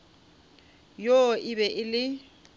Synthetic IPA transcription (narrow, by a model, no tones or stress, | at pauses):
joʔɪbɛʔɪlɪ